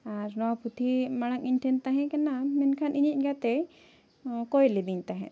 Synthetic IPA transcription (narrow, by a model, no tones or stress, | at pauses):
aɾnɔwapʰut̪ʰimaɽ̃akiɲʈʰɛnt̪aɦɛ̃kɛnamɛnkʰanʔiɲic̪̚ˀɡat̪ɛ | kɔjlɛb̪iɲt̪aɦɛ̰̃ʔ